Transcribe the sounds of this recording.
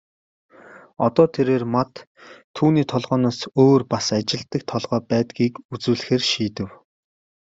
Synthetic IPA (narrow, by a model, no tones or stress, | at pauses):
ɔt̪ɔːt̪ʰeɾeːrmat̪ʰː | uːniːt̪ʰɔɮʁɔːnɔːsoːrpasat͡ɕɪ̆ɮt̪ə̆k̚t̪ʰɔɮʁœːpæːt̪ɡiːkut͡swɘ̆ɮ̆xeːrʃiːt̪ɘ̆w